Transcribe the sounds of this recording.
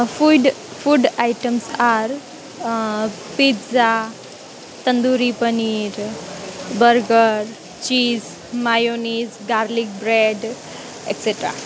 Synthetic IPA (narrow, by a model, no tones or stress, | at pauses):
fuɖfʰuɖajʈəmsaɾ | piza | t̪ənd̪uɾipəniɾ | bəɾɡəɾ | t͡ʃiːz | majonizɡaɾlik̚bɾeɖ | ekseʈɾa̰